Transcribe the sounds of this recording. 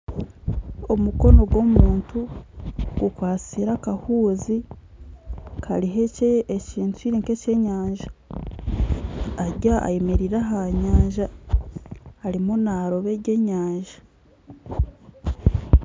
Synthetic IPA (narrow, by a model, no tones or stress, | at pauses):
o̞muko̞no̞ɡwo̞muːntu | ɡukwaːt͡siɾakahuːzi | kʰaɾiɦeceːciːntuiɾiːŋke̞ce̞ːɲaːɲʒḁ | ɾɟaʔa̰je̞meɾiɾaɦaɲaːɲʒa | ɾimunaɾo̞βe̞ɾɟe̞ːɲaːɲʒḁ